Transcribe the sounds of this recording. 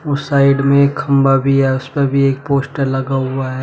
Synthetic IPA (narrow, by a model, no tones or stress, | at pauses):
ʊsːaːɪɖmẽeːkxɐ̃mbabʱiɦɛʊspebʱieːk̚poːsʈəɾlɐɡaɦʊaɦɛː